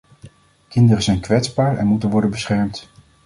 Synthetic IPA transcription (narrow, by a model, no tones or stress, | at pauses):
kɪndərəzɛjnkʋɛtzbaːɹɛ̰nmutənʋɔɹdənbəsχɛɹmt